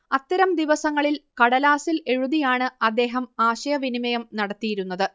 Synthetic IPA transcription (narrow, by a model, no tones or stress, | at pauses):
ɐt̪ːɐɾɐmd̪iʋɐsɐŋːɐɭilkɐɽɐlaːsile̞ɻuðijaːɳɨɐd̪ːe̞ːɦɐmaːɕɐjɐʋinimɐjɐmnɐɽɐt̪ːijiɾunːɐðɨ